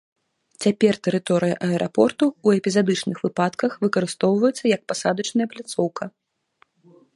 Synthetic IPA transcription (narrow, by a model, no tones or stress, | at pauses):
t͡sʲapʲɛrt̪ɛɾɨt̪ɔɾɨjɐ̰ʔɐɛɾʔa̰pɔrt̪uːɛpʲizad̪ɨt͡ʂnɨxvɨpat̪kɐxvɨkɐɾɨst̪ɔwvɐjɛt̪sːɐjɐk̚pasad̪ɐt͡ʂnɐjɐplʲat̪sɔwkɐ